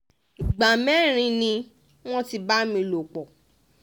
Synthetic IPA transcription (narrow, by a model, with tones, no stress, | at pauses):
i˨ɡ͡ba˨mɛ˦ɾ̃ĩ˧˦nĩ˧ | w̃ɔ̃˦ti˧ba˦mĩ˧lo˨k͡pɔ˨